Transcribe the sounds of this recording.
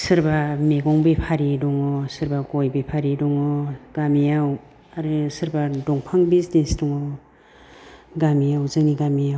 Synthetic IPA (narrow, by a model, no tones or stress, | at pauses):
sɯɾbameɡɔŋbepʰaɾidɔŋɔsɯɾbaɡɔjbepʰaɾidɔŋɔɡ̥amijaw | aɾɯsɯɾbadɔŋpʰaŋbizdesdɔŋɔ | ɡamijawzɯŋniɡamijaw